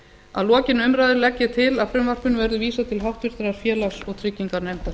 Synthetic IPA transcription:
a̰ðlɔːcɪnʏmɾajðʏɾlɛcːɪt̪ʰɪlafɾʏmvar̥pʏnvɛɾðʏviːsat̪ʰɪlɦawht̪vɪɾ̥t̪ɾaɾ̥fjɛːlasɔɣt̪ʰɾɪcːiŋkaɾnɛjmt̪ḁ

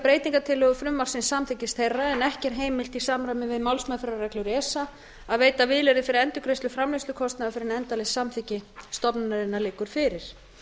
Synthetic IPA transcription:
pɾeːjt̪iŋkat̪ʰɪlːœɣʏfɾʏmːar̥sɪnsamθɪcɪst̪ʰhejrːaɛnɛhcɛɾ̥ɦeːjmɪl̥t̪isaːmɾajmɪvɪðmawlsmafɛɾaɾɛklʏɾɛːsa | aðveːjt̪avɪðlɛɾɪfɪɾɪɾɛnt̪ʏkʰɾejslʏfɾamlesʏkʰɔst̪naʏfɪɾɪnɛnt̪alɪsamθɪcɪst̪ɔpnanaɾɪnːalɪːkʏɾ̥fɪɾɪɾ̥

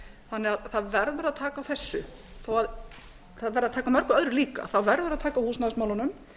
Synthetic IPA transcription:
θanːɛɣaðθaðvɛɾðʏɾaðt̪ʰaːkawθɛsːʏ | θowað | θaðvɛɾðaðt̪ʰaːkamœɾ̥kʏœðɾʏliːka̰θawvɛɾðʏɾaðt̪ʰaːkahuːsnaðsmawlanʏm

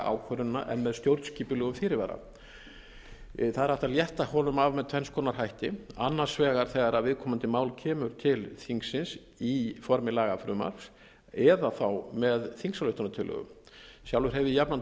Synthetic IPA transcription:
a̰wkʰœɾʏnna̰ʔɛ̰nmɛðst̪jowɾt̪sciːpʏlœːɣʏmfɪɾɪɾvaːɾa̰ | θaðɛɾaft̪aljɛht̪ahɔːlʏmavmɛðt̪ʰvɛnskʰɔːnaɾ̥ɦajht̪ɪa̰nːaɾ̥svɛːɣaɾ̥θɛɣaɾavɪðkʰɔːmʏnt̪ɪmaːwlcʰɛːmʏɾ̥t̪ʰɪlθiŋksɪns | ifɔɾmɪlaːɣafɾʏːma̰ɾ̥fs | ɛðaθawmɛðθiŋksalœɥht̪ʏnat̪ʰɪlœ̰ɣʏ̰m | sjawlvʏɾ̥ɦɛvɪjapnan

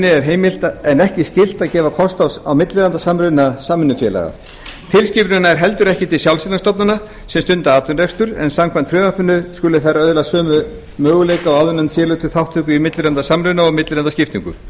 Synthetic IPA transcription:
nɪɛɾ̥ɦeːjmɪl̥t̪aɛnɛhcɪscɪl̥t̪aðcɛːvakʰɔst̪awawmɪt̪lɪɾant̪asamɾʏnasaːmɪnːʏfjɛːla̰ɣa̰ | t̪ʰɪlscɪːpɾnaɛɾ̥ɦɛl̪t̪ʏɾɛhcɪt̪ʰɪlsjawlsɪlast̪ɔpnana | sɛmst̪ʏnt̪aaːt̪ʏnrɛkst̪ʏɾɛ̰nsamkʰvant̪fɾʏːvapʏnːʏskʏlʏθaɾaœðlasœːmʏ | mœːɣʏleːjkaɔaðʏnant̪fjɛːɾlʏt̪ʰɪθawht̪ʰːʏːkʏimɪt̪lɪɾant̪asamɾʏɥnaɔɣmɪt̪lɪɾant̪ascɪft̪iŋkʏ̰̥

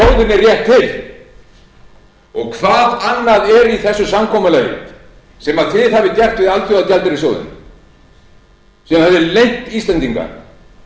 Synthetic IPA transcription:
owðɪnɛrːjɛht̪ʰːɪl | ɔɣkʰvaːðanːaðɛɾiθɛsːʏsamkʰɔːmalɛːjɪ̰ | sɛmaðt̪ʰɪðhavɪc̪jɛr̥t̪vɪðalt̪ʰɔwaðt̪jalt̪ɪɾɪs̬oːwðɪ̰n | sɛmaθɛsɛɾlejŋ̥t̪iːsɛnt̪iŋka̰̥

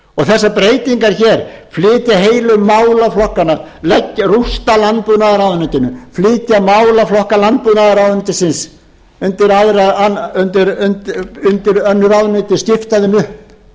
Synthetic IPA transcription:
ɔɣθɛsːapɾeːjt̪iŋkaɾ̥çɛɾ̥flɪːt̪jaɦejlʏmːaːwlaflɔhkanalɛcːrust̪alant̪̚puðnaðaɾawðnʏt̪ɪnʏflɪːt̪jamaːwlaflɔhkalant̪̚puðnaðaɾawðnʏt̪ɪsɪns | ʏnt̪ɪɾaðɾaaʏnt̪ɪɾʏnt̪ʏnt̪ɪɾœnːʏɾaðnʏːt̪ɪsc̪ɪft̪aðɪnʏhp

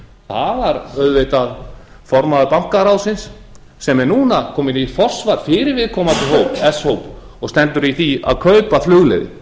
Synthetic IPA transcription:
θavaɾœɥðvɪt̪að | fɔɾmaðʏpaŋ̥kaɾaːwsɪnsː | ɛmɛɾnuːnakʰɔːmɪnifɔr̥svaɾ̥fɪːɾɪɾvɪðkʰɔːmat̪ʰɪɦowpɛshowp | ɔɣst̪ɛnt̪ʏɾiθia̰ðkʰœɥpaflʏɣlɛ̰ðɪ̰

